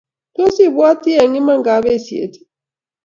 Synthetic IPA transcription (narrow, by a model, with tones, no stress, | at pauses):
to˦si˦˨bwa˦ti˦a˨ŋi˦ma˦˨ŋɡa˨˦βe˦˨si˨ḛ˨˦ti̥˨